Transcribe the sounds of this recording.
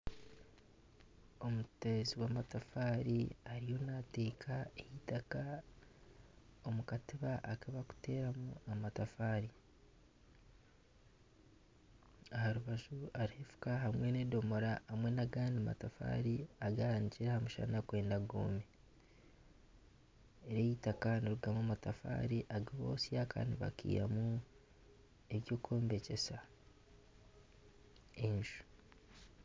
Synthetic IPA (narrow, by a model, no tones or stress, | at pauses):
o̞muteziwaːmatafaːɾiaɾijo̞nate̞ːkʰaehitaka | o̞mukatiβaʔːkaβaku̥te̞ːɾamuamatafaːɾi | ahaɾuβaʒuaɾihefu̥kaɦamwenedo̞moɾaːmwe̞naɡaːndima̰tafa̰ːɾiaɡaaniciɾahamuʃa̰nakwe̞ːndaɡo̰ːme | eɾejitakaniɾuɡamumatafa̰ːɾiʔaɡiβo̞̰ːsiakʰa̰ːndḭβa̰kḭːja̰mu | e̞βjo̞ːkʰo̞ːmbe̞ce̞sa | enʃu̥